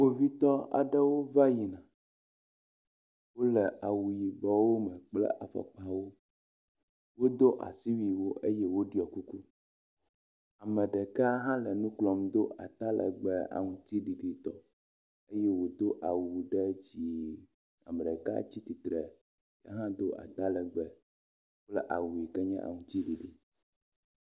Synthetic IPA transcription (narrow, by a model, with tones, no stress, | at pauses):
wo˦vi˦t̪ɔ˦a̰˨ɖɛ˦wo˦va˦ji˨nã˨ | wo˦lɛ˨ʔa˨wu˨ji˨bɔ˦wo˦mɛ˨k͡plɛ̰˦ʔa˨fɛ̰˨k͡pa˦wo˦ | wo˦d̪o˦ʔa̰˨si˦wi˨wo˦ʔe˦jɛ˦wo˦ɖi˦˨ɔ˨ku˦ku˦ | a˨mɛ̃˨ɖɛ˨ka˦ɦã˦lɛ˨nũ˦klɔ˨md̪o˦ʔa̰˨t̪a˦lʔɛ̰˨ɡ͡bɛ˦a̰˨ŋũ˨t̪i˦ɖi˨ɖi˨t̪ɔ˦ | e˦jɛ˦wo˨d̪o˦ʔa˨wu˨ɖɛ˦d͡ʑi˨ | a̰˨mɛ˨ɖɛ˨ka̰˦t͡ɕi˦t̪i˨t̪ɾɛ˨ | ja̰˦ɦã˦d̪o˦ʔa̰˨t̪a˦lɛ˨ɡ͡bɛ˦ | k͡plɛ˦ʔa˨wu˨i˨kɛ˦ɲɛ̰̃˦ʔa̰˨ŋũ˨t̪i˦ɖi˨ɖi˨